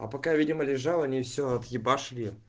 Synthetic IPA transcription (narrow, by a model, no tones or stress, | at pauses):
ɐ̰pɐkavʲidʲɪməlʲɪʐalˠɐnʲifsʲoɐt̪jɪbaʂlʲi